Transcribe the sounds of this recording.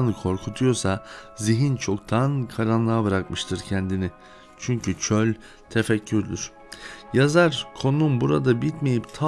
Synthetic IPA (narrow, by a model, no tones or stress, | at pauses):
nɯkʰo̞ɾkʰut̪ʰujo̞saziɦint͡ʃʰo̞k̚t̪ʰankʰaɾanlˠaːbɯɾakmɯʃt̪ʰɯɾcʰɛnd̪inɪ | t͡ʃʰyɲcʰyt͡ʃʰølʲ | t̪ʰefɛcʰːyɾd̪yɾ̥ | jazaɾkʰo̞numbuɾad̪abit̪me̞jipt̪ʰa